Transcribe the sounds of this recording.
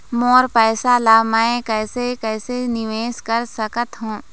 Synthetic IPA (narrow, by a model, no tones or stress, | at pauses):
mɔːɾpɛːsalaːmɛ̃kɛːsekɛːsenɪʋeːskəɾsəkət̪ɦũː